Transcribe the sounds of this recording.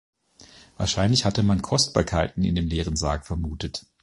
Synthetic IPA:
vaːɐʃaɪnlɪçhatəmankʰɔst̚b̥a̰ːɐkʰaɪtn̩ɪ̰ndeːmleːʁ̞ənzaːkfɛɐmuːtət

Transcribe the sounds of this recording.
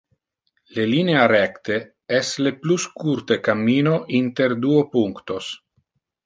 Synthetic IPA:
lelineaɾɛkt̪e | ɛslepluskuɾt̪ekamːiːnoʔint̪eɾd̪uopuŋkt̪os

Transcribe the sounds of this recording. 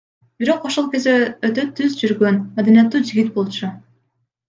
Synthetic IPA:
b̥iɾo̞qo̞ʃo̞lˠke̞zd̪eøt̪ø̞t̪ʰːyzd͡ʒyɾɡø̞nmad̪anijat̪ːuːd͡ʒiɡʲit̪̚bo̞lˠt͡ʃu

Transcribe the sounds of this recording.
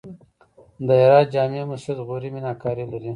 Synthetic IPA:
d̪əeɾɑːd̪̚d͡ʒɑːmemʊsid̪ɣoɾiminɑkɑːɾilaɾi

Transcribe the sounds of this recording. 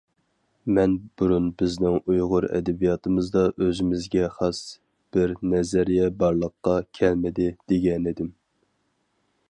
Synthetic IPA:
mɛnb̥uɾunbɪznɪŋujʁʊɾɛ̰d̪ɛbijɑt̪ʰɨmɨzd̪ɑʔøzɪmɪzɡʲɛχɑs | b̥ɪɾnɛzɛɾijɛbɑɾlˠəqːɑkʲʰɛlmɪd̪ɪd̪̥eɡʲɛnid̪ɪm

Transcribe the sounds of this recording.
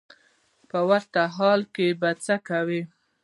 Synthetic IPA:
pəwaɾt̪aɦɑlkebat͡sakawi

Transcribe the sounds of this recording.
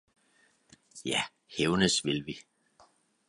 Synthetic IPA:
jæ | heʊnəsʋelʋi

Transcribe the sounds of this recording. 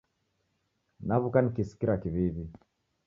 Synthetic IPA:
naβukanikisi̥kiɾakiβiβi

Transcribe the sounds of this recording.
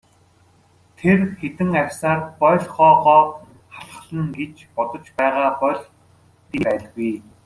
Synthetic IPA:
t̪ʰerxet̪ɘ̆ŋarʲsaːrpɔɮχɔːʁɔː | χaɮ̆χ̆ɮə̆ŋɡet͡ɕpɔt̪ɞ̆t͡ɕpæːʁaːpɔɮ | t̪iːpæːɮɣuj

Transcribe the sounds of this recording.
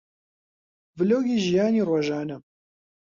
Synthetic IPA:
vɨloːɡiːʒijaːniːroːʒaːnɐ

